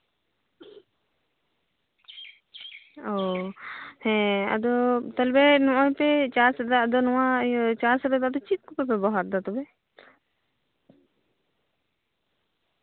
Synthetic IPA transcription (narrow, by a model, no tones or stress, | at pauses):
ɔ | hɛ̃a̰d̪ɔt̪ɔlbɛnɔ̃ʔɔ̃jpɛt͡ʃaɾsɾd̪ad̪ɔnɔwat͡ʃasɾɾɛd̪ad̪ɔt͡ʃit̪̚kupɛpɛbɔɦaɾd̪at̪ɔbɛ